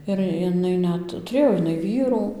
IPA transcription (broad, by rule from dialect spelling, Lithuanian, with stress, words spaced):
ɪr jɪˈnɐɪ ˈnʲɛt tʊˈrʲeːjoː ɪˈnɐɪ ˈʋʲiːruː